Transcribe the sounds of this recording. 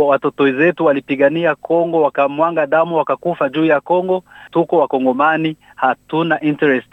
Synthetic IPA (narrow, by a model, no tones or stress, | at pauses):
watɔtɔɛzɛtuwalipiɠaniakʰɔŋɡɔwakamwaŋɡaɗamuwakakufaʄuːjakɔŋɡɔtukɔwakɔŋɡɔmani | hatunaʔintɛɾɛst